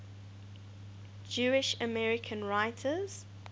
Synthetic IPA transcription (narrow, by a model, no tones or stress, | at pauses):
d͡ʒuːɪʃəmɛɹɪkʰə̃nɹaɪtʰəz̥